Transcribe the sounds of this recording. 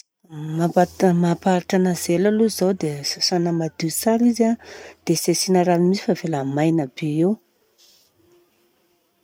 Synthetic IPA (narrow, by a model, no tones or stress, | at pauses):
maamapaɾiʈ͡ʂanəzelaluizawd̪easanəmad̪̥it͡saɾizad̪̥esesinəɾanimisi̥favelamajnabeew